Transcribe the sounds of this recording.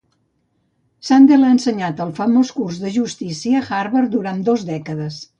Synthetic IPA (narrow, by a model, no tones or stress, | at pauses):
sand̪elˠaənsəɲat̪əlˠfəmoskurzðəʒust̪isiəxaɾβəɾd̪uɾand̪ozdɛkəðəs